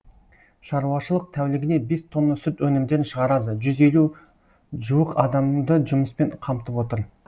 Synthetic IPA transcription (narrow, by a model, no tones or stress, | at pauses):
ʃɑɾuwɑʃəlˠəq̚t̪ʰæwlɪɡʲɪne̞be̞st̪ʰo̞nːəsʏt̪wɵnɪmd̪e̞ɾɪnʃəʁɑɾɑd̪əʒʏze̞lu | ʒuwəqɑd̪ɑmd̪əʒʊməspe̞ɴqʰɑmt̪əpwo̞t̪əɾ